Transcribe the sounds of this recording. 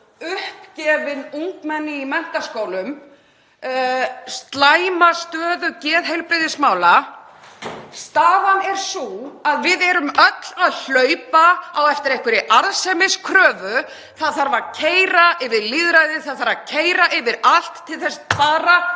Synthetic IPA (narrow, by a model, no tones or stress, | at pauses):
ʏhpcɛːvɪðuŋkmɛnːɪimɛn̥t̪askoːwlʏm | st̪laːjmast̪œːðʏcɛːðɦejlpɾɪðɪsmaːwla | st̪aːðanɛɾ̥suaðvɪðɛɾʏmœt̪l̥aðl̥œːɥpaawɛft̪ɪɾejhkvʏɾɪʔaɾðsɛmɪskʰɾœːvʏ | θaðθaɾvaɾcʰeːjɾaʔɪvɪɾliðɾajðɪθaðθaɾvacʰeːjɾaʔɪvɪɾal̥t̪ʰːɪlθɛst̪faːɾa